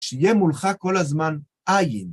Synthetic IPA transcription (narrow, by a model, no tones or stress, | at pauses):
ʃijemulχako̞lazman | ʔajin